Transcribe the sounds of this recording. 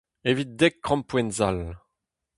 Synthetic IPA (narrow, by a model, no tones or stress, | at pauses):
evit̪̚d̪ɛkːχɑ̃mpwɛ̃nzal